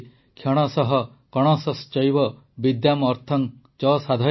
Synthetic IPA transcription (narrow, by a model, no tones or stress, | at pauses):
kʰjɔɽ̃ɔsɔɦɔ | kɔɽ̃ɔsɔst͡ʃɔjbɔ | bid̪jamɔɾt̪ʰɔŋ | t͡ʃɔsad̪ʱɔ